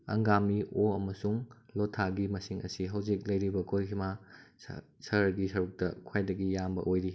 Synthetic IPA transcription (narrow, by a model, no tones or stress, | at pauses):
ɐ̰ŋɡamioɐmɐsuŋlotʰːaɡimɐsiŋɐ̰siɦɐwzik̚lɐjɾibɐkʰojkʰima̰ | sɐɾɐɡisɐɾuk̚tɐkʰwajdɐɡijambɐ̰ʔojɾi